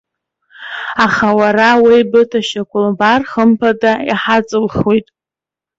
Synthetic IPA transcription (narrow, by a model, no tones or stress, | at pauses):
aχawarawijbɨtʰaʃakʷʰʼʊlbarχəmpʰadaiħat͡sʼɨlχwitʼ